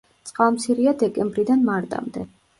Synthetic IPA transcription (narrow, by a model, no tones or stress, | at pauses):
t̪sʼqʼalˠmt̪sʰiɾiad̪ɛkʼɛmbɾid̪anmaɾt̪ʼa̰md̪ɛ